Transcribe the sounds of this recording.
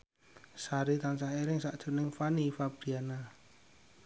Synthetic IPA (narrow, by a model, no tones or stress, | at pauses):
saɾit̪ansaheɾɪŋsaʔd̥ʒ̥o̤nɪŋfanifab̥ɾiana